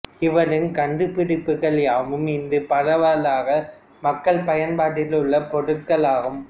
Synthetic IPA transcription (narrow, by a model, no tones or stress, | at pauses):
ɪʋɐɾɯnkɐɳɖɯpːɪɽɪpːɯɣɐɭjaːmɯmɪnd̪ɯpɐɻɐʋalaːɣɐ | mɐkːɐɭpɐjɐnpaːʈːɪlɯɭːɐpɔɽɯʈkːɐɭaːɣɯm